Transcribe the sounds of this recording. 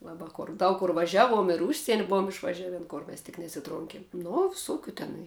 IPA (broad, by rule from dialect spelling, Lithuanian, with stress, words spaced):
ˈlˠɑːbɐ ˈkoːr ˈdɐʊk kʊr ʋɐˈʒʲæːˌʋuɔm ɪr ˈʊʃʲsʲiɛnʲɪ ˈbʊʋoːm ɪʃʋɐˈʒʲæːʋʲeːn ˈkʊr mʲɛs tʲɪk nʲɛsʲɪˈtroːŋʲkʲeːm ˈnoː ʋʲɪˈsoːkʲʊ ˈtʲæːnɐɪ